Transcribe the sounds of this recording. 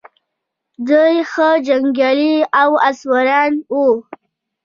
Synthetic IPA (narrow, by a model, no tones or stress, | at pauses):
d̪ujxəd͡ʒaŋɡjɑliawaswaɾɑnwu